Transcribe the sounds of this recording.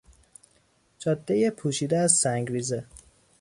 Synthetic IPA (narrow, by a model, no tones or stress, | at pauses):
d͡ʒɒːd̪ːejepʰuːʃiːd̪eæzsæŋɡɾiːze